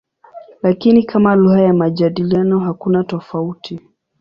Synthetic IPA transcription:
lakinikʰamaluɦajamaʄaɗilianɔɦakunatɔfautʰi

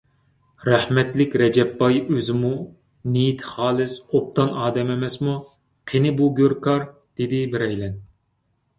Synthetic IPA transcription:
ɾɛhmɛt̪lɪkʲɾɛd͡ʒɛpːɑjøzɪmu | nit̪χɑːlˠɨsop̚t̪ʰɑnɑːd̪ɛmemɛsmu | qʰenɪbuɡʲøɾkʰɑɾ | d̪̥ed̪ɪbɪɾɛjlɛn

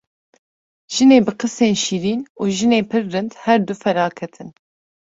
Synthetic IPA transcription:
ʒ̥ɨneːbɨqɨseːnʃiːɾiːnuːʒɨneːpʰɨɾːɨnd̪hɛɾd̪ufɛɾɑːkʰɛt̪ʰɨn

